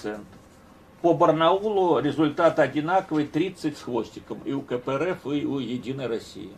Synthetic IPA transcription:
sɛnt̪ | pɔbɐrnaulˠʊɾʲɪzʊlʲt̪at̪ɐdʲinakɔʋɨjt̪ɾʲit̪sːɐtʲsxʋɔsʲtʲɪkɐmiukɐpɛɾɛfɪujedʲinɐjrɐsʲḭjḭ

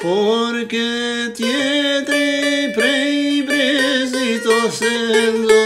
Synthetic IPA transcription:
poɾket̪iet̪ẽj̃pɾepɾezit̪osend̪ʊ

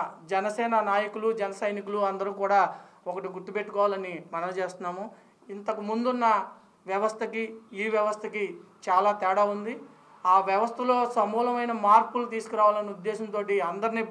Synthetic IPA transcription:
d͡ʒɛnɐsɛːnɐnaːjɐkulud͡ʒɛnɐsɐjnikuluɐnd̪ɐɾuːkuːɽaːɔkɐʈiɡuʈːupeʈːu̥kɔːʋaːlɐnimɐnɐmt͡ʃe̞ːst̪unːaːmu | int̪ɐkumund̪unːɐ | ʋjɐʋɐst̪ʰɐkiiːʋjɐʋɐst̪ʰɐki | t͡ʃaːlaːt̪ɛːɽaːund̪i | aːʋjɐʋɐst̪ʰɐlo̞ːsɐmuːlɐmɐjnɐmaːɾpulut̪iːsu̥kuɾaːʋaːlɐniud̪ːeːʃɐnt̪oːʈiɐnd̪ɐɾiniː

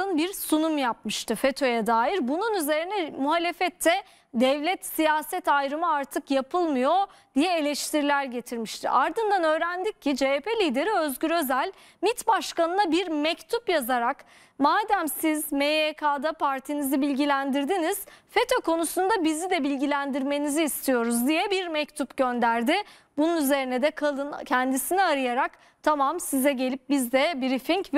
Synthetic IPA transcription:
ɯnbiɾsunumjap̚mɯʃt̪ʰɯfet̪ʰo̞jɛd̪aːjiɾbununyze̞ɾinɛmuɦalʲe̞fɛt̪ʰːɛ | d̪ɛvlʲɛt̪sijaːsɛt̪ajɾɯmɯaɾt̪ʰɯkjapʰɯlˠmɯjo̞d̪ijɛelʲɛʃt̪ʰiɾilʲæɾɟe̞t̪ʰiɾmiʃt̪ʰḭʔaɾd̪ɯnd̪anø̞ːɾænd̪ic̚cʰːid͡ʒeepelʲiːd̪e̞ɾiø̞zɟʲyɾø̞zælʲ | mit̪baʃkanɯnabiɾmɛct̪ʰupjazaɾak | maːd̪æmsizmeekʰaːd̪apʰaɾt̪ʰinizibilʲɟilʲænd̪iɾd̪iniz̥fe̞t̪ʰoko̞nusund̪abizid̪ɛbilʲɟilʲænd̪iɾme̞niziːst̪ʰijo̞ɾuzd̪ijɛbiɾmɛct̪ʰupɟønd̪æɾd̪ɪ | bununyze̞ɾinɛd̪ɛkʰalˠɯncʰɛnd̪isiniaɾɯjaɾak | t̪ʰamamsizɛɟe̞lʲip̚bizd̪ɛbiɾifiɲc

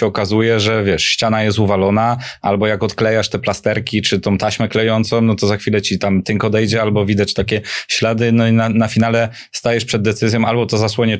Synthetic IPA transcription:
ɛɔkazujɛʐɛvʲjɛʂɕt͡ɕanajɛst̪uvalɔnaʔa̰lbɔjakɔt̪klɛjaʂt̪ɛplast̪ɛɾkʲit͡ʂɘt̪ɔ̃w̃t̪aɕmɛklɛjɔnt̪sɔ̃w̃nɔt̪ɔzaxfʲilɛt͡ɕit̪amt̪ɘŋkɔd̪ɛjd͡ʑɛalbɔvʲid̪at͡ɕt̪akʲɛɕlad̪ɘnɔinanafʲinalɛ | st̪ajɛʂpʂɛd̪̚ːɛt̪sɘzʲjɔ̃albɔt̪ɔzaswɔɲɛ

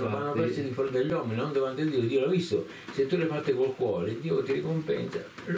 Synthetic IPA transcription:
wanopɛsed̪ifɔɾd̪eʎːwɔmːinnɔnd̪ovant̪ed̪iːod̪iːolavist̪o | set̪ːulepat̪ːekolkwɔːɾed̪iːot̪irikompɛ̰nsa̰

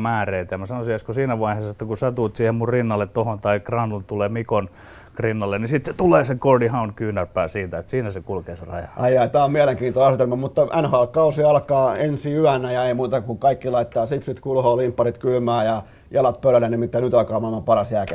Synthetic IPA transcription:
mæːreit̪æjɑmæsɑnosieskosiːnæʋɑiheːsːɑet̪ːækusæt̪uːt̪siːhemmurrinːɑlːet̪t̪ohont̪ɑikrɑnːunt̪uleːmikon | krinːɑlːennisit̪set̪uleːsekordihɑunkyːnæpːæːsiːt̪æet̪siːnæsekulkeːserɑ̰jɑ̰ʔɑijɑit̪ɑːmieleŋkiːnt̪oɑset̪elmɑmut̪ːɑʔænhɑlkɑusiɑlkɑːensiyænːˑæjɑeimuːt̪ɑkuŋkɑikːilɑit̪ːɑːsipsyt̪kulhoːlimpːɑrit̪kylmæːjɑ | jɑlɑt̪̚pølælːenimit̪ːænyt̪ɑlkɑːmæmːæpɑrɑsjæːke

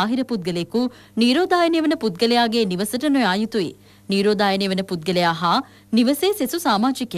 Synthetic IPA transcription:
aːɦiɾɐput̪̚ɡɐleku | niːɾoːd̪aːjɐnejʋɐnɐput̪̚ɡɐlejaːɡeniʋɐsɐʈɐnojaːjut̪uḭ | niːɾoːd̪aːjɐnejʋɐnɐput̪̚ɡɐlejaːɦaː | niʋɐseːsesusaːmaːd͡ʒik

